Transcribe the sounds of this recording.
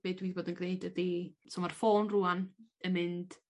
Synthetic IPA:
b̥eːdwiːðiboːdənɡnejdədisɔmarfoːnruanəmɨnd̥

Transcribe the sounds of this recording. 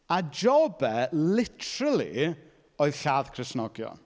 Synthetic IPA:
ad͡ʒɔbɛlɪtʰərəlˠḭ | ɔɨðɬaːðkʰrɪsnɔɡjɔ̰n

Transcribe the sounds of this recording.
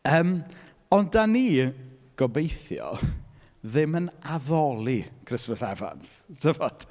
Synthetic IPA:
əːm | ɔndaniː | ɡ̥ɔbejθjɔ̰ | ðɪmənaðɔlˠikʰr̥əsməsɛva̰nθtʰəvɔd̥

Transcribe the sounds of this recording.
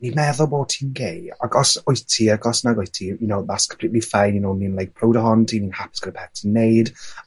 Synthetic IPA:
nimɛðɔlˠbɔːtʰinɡeja̰ɡɔsʊjtʰiaɡɔsnaɡʊjtʰijʊnowðaskʰə̥mpʰlitlifajnjʊnowninlˠajk̚pʰrowdəɦɔntʰininhapɪ̥sɡ̥əɾəpʰɛtʰənːejd

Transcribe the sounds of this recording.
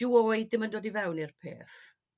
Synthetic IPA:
ɪoːjdɪməndoːdivɛwnirpʰḛːθ

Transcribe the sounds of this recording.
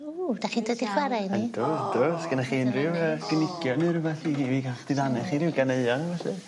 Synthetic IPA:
uːdaχiːndodɪχwaɾajnidʊdʊsɡ̥ənaχiːnrɪwəɡ̥ənɪkjɔnɨɾəvɛɬiɡiviɡaχd̥ɪðanɛχiːrɪwɡaneɨɔnvɛɬi

